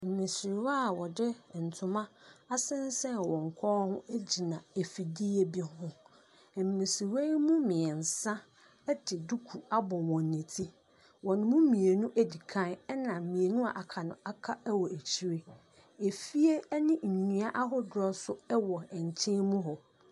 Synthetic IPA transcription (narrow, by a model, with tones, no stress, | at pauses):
m̩˨mɪ̃˨sɪ˨ɾwa˦˨wɔ˨dɪ˦˨n̩˨tʰʊ̃˨mã˦a˦sɪ̃˦n˦sɛ̃˦˨wɔ̃˨ŋ̩˨kʷʰɔː˦hʊ̃˦e˦d͡ʑi˨nã˨e˨fi˨di˦e˦bi˦hʊ̃˦˨ | m̩˨mɪ̃˨sɪ˨we˦mũ˦mɪ̃˨ɛ˨n̩˨sã˦ | ɛ˦dɪ˨du˦kʰu˨a˦bɔ˨wɔ̃˨n˨nẽ˨tʰi˦ | wɔ˨nʊ̃˨˦mũ˦mĩ˨e˨nũ˦ʔæ˦di˨kʰã˦nɛ˦nã˨mĩ˨e˨nũ˦a̰˨ʔa˨kʰa˨nʊ̰̃˨a˦kʰa˦ɛ˦wɔ˨æ˨t͡ɕʰi˨ɾe˦ | e˨fi˦e˦nɪ̃˦ɲ̩˨ɲũ˦a˦ʔa˦ɦɔ˦dɾɔ˦sʊ˦ɛ˦wɔ˨ɛ˨ɲ˨t͡ɕʰɪ̃˦mũ˦ɦɔ˨